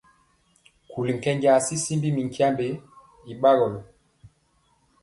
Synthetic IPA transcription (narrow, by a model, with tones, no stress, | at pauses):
ku˨li˨ŋ̩˨kɛ˦ɲɡa˨si˦si˦mbi˦mi˨ŋ˨kja˦mbe˨˦ | i˨ɓa˦ɣɔ˨lɔ˨